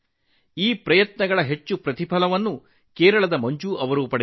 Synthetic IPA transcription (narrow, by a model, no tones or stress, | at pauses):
iːpɾɐjɐt̪nɐɡɐɭɐɦet͡ʃːupɾɐt̪ipʰɐlɐʋɐnːu | keːɾɐɭɐd̪ɐmɐɲd͡ʒuʔɐʋɐɾuːpɐɽ